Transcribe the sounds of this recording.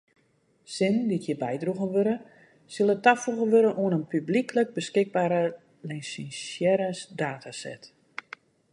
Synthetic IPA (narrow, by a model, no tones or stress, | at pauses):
sɪnditʰjəbɛjdruɣənʋøɾə | sɪlˠətafuɣənʋøɾənʔuənənpybliklək̚bəskɪɡ̚baːɾə | lɛnsinsjɛɾəsdaːtʰasɛ̰t